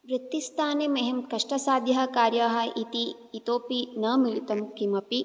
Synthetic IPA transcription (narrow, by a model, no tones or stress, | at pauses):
ʋɾɪt̪ːist̪ʰaːnemɐɦemkɐʂʈɐsaːd̪jɐɦɐ̆kaːɾjaɦɐʔit̪iː | t̪oːpinɐmilit̪ɐmkimɐpi